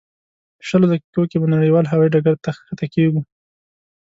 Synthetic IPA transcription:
ə̥ʃəlod̪akikokebanaɽəjwɑlɦawɑiɖaɡaɾt̪axkat̪akeɡu

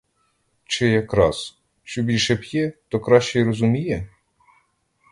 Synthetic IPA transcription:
t͡ʃɪjɐkɾɑs | ʃt͡ʃɔbʲilʲʃɛpjɛt̪ɔkɾɑʃt͡ʃɛirɔzʊmʲijɛ

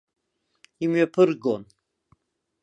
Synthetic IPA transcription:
imɥapʰɨrɡon

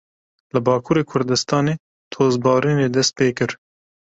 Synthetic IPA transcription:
lɨbɑːkʰuːɾeːkʰʊɾd̪ɨst̪ɑːneː | t̪ʰoːzbɑːɾiːneːd̪ɛst̪̚peːkɨɾ

